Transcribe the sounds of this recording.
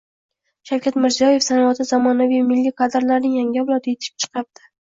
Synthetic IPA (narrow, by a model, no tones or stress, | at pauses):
ʃawkʲʰat̪mɪɾzijɒje̞fsanɒvat̪ʰɪzɒmɒnavijmɪlːikʰad̪ɾlaɾnɪŋjaŋʲɪavlˠɒd̪ɪet̪ʰɪ̥ɪ̥p̚t͡ʃʰɨ̥qʰɑp̚d̪̥ɪ̥